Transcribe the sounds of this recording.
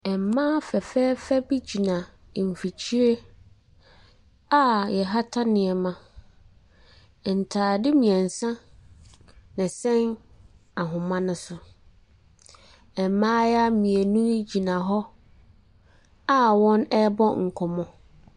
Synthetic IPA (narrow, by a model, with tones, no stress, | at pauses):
ɛ˨m˨˦mãː˦fɛ˨fɛː˦fɛ˦bi˦d͡ʑi˨nã˨ | m̩˨fi˨t͡ɕʰi˦e˦ | a˦jɛ˨ɦa˦tʰa˦nɪ̃˨ɛ˨mã˨ | n̩˨tʰaː˨dɪ˦mĩ˨ɛ̃˨n̩˨sã˦ | nɪ̃˨sɛ̃˦n | a˨ɦʊ̃˨mã˦nʊ̃˦sʊ˨ | ɛ˨mmãː˦ja˦mĩ˨e˨nũ˦d͡ʑi˨nã˨ɦɔ˦ | a˦wɔ̃˦nɛ˦bɔ˦ŋ̩˨kʰɔ˨mɔ̃˦